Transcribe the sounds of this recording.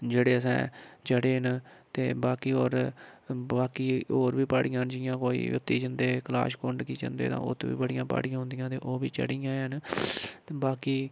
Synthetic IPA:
d͡ʒeːɽeːəsɛ̰̃ːt͡ʃəɽeːnt̪eːbaːkiːoːɾ | baːkiːoːɾbiːpaːɽɪjãːnd͡ʒɪjãːkoːḭːʊt̪ːiːd͡ʒənd̪eːkla̰ːʃkʊɳɖkiːt͡ʃə̰nd̪ḛːt̪ã̰ːʊ̰t̪ʰːʋḭːbəɽɪjãːpa̰ːɽɪjãːɦʊ̃nd̪ɪjãːt̪eːʔoːʋiːt͡ʃə̰ɽijãːɦənt̪ːbaːkiː

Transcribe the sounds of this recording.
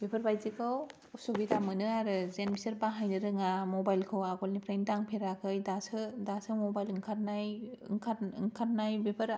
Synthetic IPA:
bepʰəɾbajzikʰɯw | usobitamɯnɯaɾɯzenbisɐɾbaɦajnɯɾɯŋamobajlkʰɯwaɡɔlnipʰɾajntaŋpʰeɾakʰɯjdasɯdasɯmobajlɯŋkʰaɾnajŋkʰaɯŋkʰaɾnajbepʰɐɾ

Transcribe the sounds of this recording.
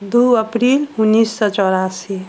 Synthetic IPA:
d̪uəpɾilunːisːɔt͡ʃɔɾasi

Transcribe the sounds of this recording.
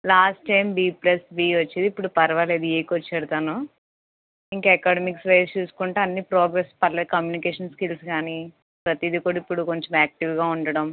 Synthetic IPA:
laːsʈːɐjmbiːplɐsbiːʋɐt͡ʃːed̪ipːuɽupɐɾɐʋɐleːd̪ueːkʋot͡ʃːɛːɽut̪aːnu | iŋkɐɛkaːɽɐmiksʋɐjst͡ʃuːsu̥kuɳʈeːɐnːipɾoːɡɾespɐllɐkɐmjuːnikeːʂɐnskilskaːni | pɾɐt̪jid̪ikuːɽɐipːuɽukoɲt͡ʃɐmaːk̚ʈiʋɡaːuɳɖɐɽɐm

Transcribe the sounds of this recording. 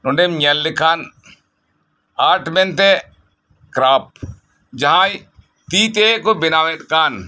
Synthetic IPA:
nʊ̃ɳɖɛmɲɛlːɪkʰan | aɾʈbɛnt̪ɛ | kɾap̚ | d͡ʒaɦãj | t̪it̪ekɔbɪnawɛt̪̚kan

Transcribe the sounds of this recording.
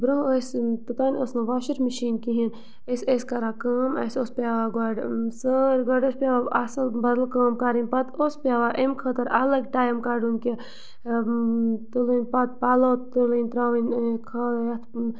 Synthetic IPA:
bɾũːost̪ɨt̪aːnʲosnɨʋaːʃiɾməʃiːnkiɦin | esʲeskɐɾakɐːmɐ̰sʲoːspʲaːʋaːɡɐɖsəɾɡɐɖospʲaːʋaɐsɐlbɐd̪lkəːmkaːɾinʲpɐt̪ospʲaːʋaʔemkʰət̪ɐɾɐlɐɡʈaːjɐmkaːɖunʲki | t̪ɨlɨnʲpɐt̪̚paːlɐːt̪t̪ɨlɨnʲt̪ɾaːʋinkʰɐjɐt̪ʰ

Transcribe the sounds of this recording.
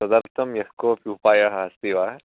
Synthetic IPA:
ɐd̪ɐɾt̪ʰɐmjɐhkoːpiupaːjɐɦaɐst̪iʋaː

